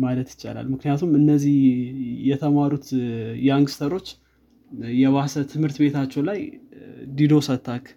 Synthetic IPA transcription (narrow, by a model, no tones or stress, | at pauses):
malət̪jɪt͡ʃːa̰la̰lmɨknijat̪ʰumɨnːəzihjɛt̪ʰəmaɾut̪jɛaŋɡɨst̪ʰəɾo̞t͡ʃː | jɛβasət̪ʰɨmhɨɾt̪be̞t̪ʰat͡ʃːɛwlaj | d̪id̪o̞sət̪ʰːakʰ